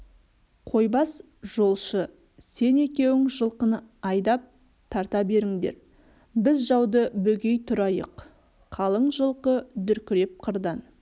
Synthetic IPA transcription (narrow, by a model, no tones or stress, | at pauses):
qʰo̞jbɑs | ʒ̥o̞lˠʃə | se̞ne̞kʲe̞wɪŋʒəlˠqənɑjd̪ɑp̚ | t̪ʰɑɾt̪ɑbe̞ɾɪŋd̪e̞̰ɾ | bɪzʒɑwd̪əbɵɡʲe̞jt̪ʰʊɾɑjə̰q | qʰɑlˠəɴʒəlˠqəd̪ʏɾkʲɪɾe̞p̚qʰəɾd̪ɑn